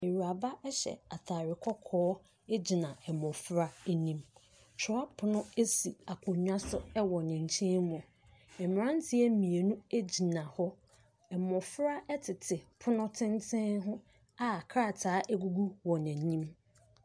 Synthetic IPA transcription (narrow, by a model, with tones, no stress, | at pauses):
e˨ɾu˨a˨ba˦ɛ˦ɕɛ̰˨a˨tʰaː˨ɾɪ˨kʰɔ˦kʰɔː˦ | e˦d͡ʑi˨nã˨ɛ˨mɔ̃˨fɾa˦e˦nĩ˦m | t͡ʃʰɔ˦a˦pʰʊ˦nʊ̃˦e˦si˨a˨kʰʊ̃˨ɲᶣ˦ã˦sʊ˦ɛ˦wɔ˨nɪ̃˨ɲ̩˨t͡ɕʰĩ˦nmʊ̃˨ | ɛ̃˨m˨ɾã˦n˦tʰɪ˦ɛ˦mĩ˨e˨nũ˦e˦d͡ʑi˨nã˨hɔ˦ | ɛ˨mɔ̃˨fɾa˦ʔɛ˦tʰɪ˨tʰɪ˨pʰʊ˦nʊ̃˦tʰɪ̃˦ntʰɛ̃˦nɦʊ̃˦ | a˦˨kʰɾa˦˨tʰaː˨˦ʔæ˦ɡu˦ɡu˦wɔ˨nɪ̃˨ɲĩ˦m